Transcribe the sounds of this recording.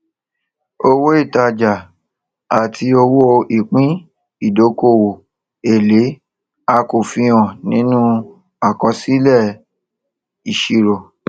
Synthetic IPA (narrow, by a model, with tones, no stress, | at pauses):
o˧wo˦i˦˨ta˧d͡ʒa˨ | a˨tʰi˧o˧wo˦˧i˨k͡pĩ˦ | i˦˨do˨˦ko˦˨wo˨ | e˨le˨˦ | a˧ko˨fĩ˧ɔ̃˨nĩ˨˦nũ˦ | a˦˨kɔ̃˧si˦lɛ˦˨ | i˨ʃi˨ɾo˨